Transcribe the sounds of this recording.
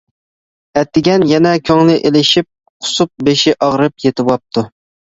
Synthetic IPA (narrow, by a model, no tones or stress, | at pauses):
ɛt̪ʰːɪɡʲɛnjɛnɛkʲʰøŋlɪʔelɪʃip̚ | qʰʊ̥sup̚beʃɪʔɑʁɾɨpjet̪ʰɪwɑp̚t̪ʰu